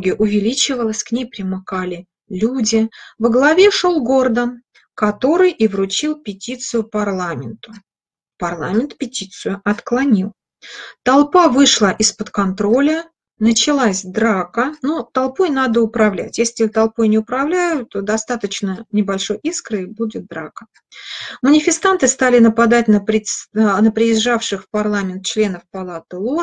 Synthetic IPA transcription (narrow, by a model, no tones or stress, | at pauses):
ɡʲɪʔʊvʲɪlʲit͡ɕɪvəlˠəsʲknʲejpɾʲɪmɨkalʲɪ | lʲudʲɪvəɡlˠɐvʲe̞ʂolˠɡo̞rd̪ən | kɐt̪o̞ɾɨjivɾʊt͡ɕilˠpʲɪtʲit̪sɨjʊpɐrlˠamʲɪnt̪ʊ̥ | pɐrlˠamʲɪnt̪pʲɪtʲit̪sɨjʊʔɐt̪klˠɐnʲilˠ | t̪ɐlˠpavɨʂlˠaʔɪspət̪kɐnt̪ɾo̞lʲə | nət͡ɕɪlˠasʲd̪ɾakənut̪ɐlˠpojnad̪əʊpɾɐvlʲæ̰tʲjesʲlʲɪt̪ɐlˠpojnʲɪʊpɾɐvlʲæjʊt̪t̪ːod̪ɐst̪at̪ət͡ɕnənʲɪbɐlʲʂo̞jʔiskɾɨjbudʲɪt̪̚d̪ɾakə̥ | mənʲɪfʲɪst̪ant̪ɨst̪alʲɪnəpɐd̪at̚ʲnəpɾʲɪnəpɾʲɪɪzʐafʂɨxfpɐrlˠamʲɪnt̪̚t͡ɕlʲe̞nəfpɐlˠat̪ɨo